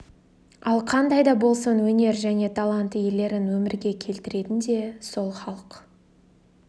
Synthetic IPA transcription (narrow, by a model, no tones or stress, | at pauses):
ɑlˠqʰɑnd̪ɑjd̪ɑbo̞lˠsənwɵne̞ɾʒæne̞t̪ʰalˠɑnt̪əje̞le̞ɾɪnwɵmɪɾɡʲe̞kʲʰe̞lt̪ɪɾe̞t̪ɪnd̪e̞so̞lˠχɑlˠəq